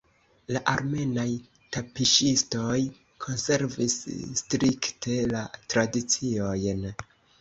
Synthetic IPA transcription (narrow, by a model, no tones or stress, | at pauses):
laʔaɾme̞naj | tapiʃisto̞j | kʰo̞nse̞ɾvisstɾiktʰe̞latɾadit͡sio̞jn